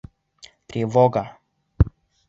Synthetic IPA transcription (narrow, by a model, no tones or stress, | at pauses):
t̪ɾivɔɡa